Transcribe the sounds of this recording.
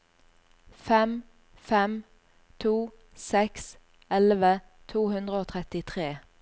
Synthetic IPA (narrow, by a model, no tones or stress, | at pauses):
fɛm | fɛm | t̪ʰuː | sɛks | ɛlʋə | t̪ʰuːhʉnd̪ʁəoːt̪ʰʁɛt̪ɪt̪ʰʁeː